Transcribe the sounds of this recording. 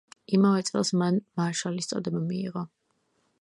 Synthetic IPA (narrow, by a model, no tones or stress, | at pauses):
imavɛt̪sʼɛ̰lˠsmanmaʃalist̪sʼɔ̰d̪ɛbamiḭʁɔ